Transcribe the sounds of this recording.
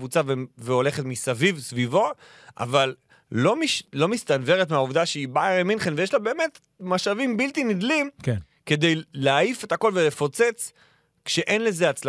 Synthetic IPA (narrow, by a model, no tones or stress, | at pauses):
vut͡saveveo̞le̞χet̪misavivsvivo̞ | ʔa̰valː | o̞miʃlo̞mist̪anve̞ʁetmeauvd̪aʃeibaeʁeminχenvejeʃlabe̞ːme̞t | maʃavimbilt̪inid̪limk | ke̞d̪e̞jleaife̞tako̞lve̞le̞fo̞t͡set͡s | kʃeʔe̞nle̞ze̞at͡sl